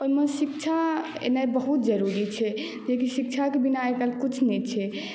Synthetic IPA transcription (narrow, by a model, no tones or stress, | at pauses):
oimesikt͡ʃʰa | ḛnajbəɦut̪̚d͡ʒəɾuɾit͡ʃʰɛ | d͡ʒekisik̚t͡ʃʰakebinaekəlkut͡ʃʰnɛt͡ʃʰɛ